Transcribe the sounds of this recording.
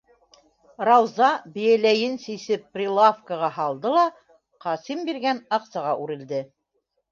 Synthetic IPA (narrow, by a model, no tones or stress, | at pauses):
rɑwzɑbɘ̆jælæjɘnsisɘpːrʲilˠafkəʁɑɦɑlˠd̪ɤlˠɑ | qɑsimbiɾɡænɑqsɑʁɑʔʉɾɘ̆ld̪ɘ